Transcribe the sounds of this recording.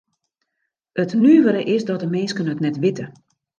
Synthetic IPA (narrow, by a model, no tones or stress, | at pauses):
ətnyːʋəɾəʔɪsdɔt̚dəmɪnskənɦətnɛtʋɪtə